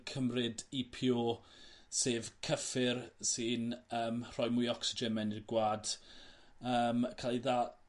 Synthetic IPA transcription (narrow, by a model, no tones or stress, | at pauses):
kʰəmrɪdipʰjoː | seːvkʰəfɪrsɪnəːmr̥ɔjmʊjɔksɪd͡ʒɛnmɛnɪrɡwaːd̥ | əːmkʰalˠiðaː